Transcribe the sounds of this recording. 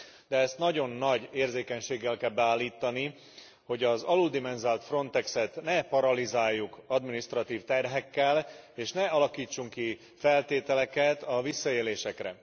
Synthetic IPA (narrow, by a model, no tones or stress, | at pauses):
d̪ɛɛst̪nɒɟo̞nːɒɟeːrzeːkɛɲʃeːɡːɛlkɛlbɛaːlːiːt̪ɒni | ho̞ɟɒzɒlud̪imɛnzaːlt̪fro̞nt̪ɛksɛt̪nɛpɒɾɒlizaːjːukɒd̪minist̪rɒt̪iːft̪ɛrɦɛkːɛleːʃnɛɒlɒkiːt͡ʃːuŋki | fɛlt̪eːt̪ɛlɛkɛt̪ɒvisːɒeːleːʃɛkrɛ̰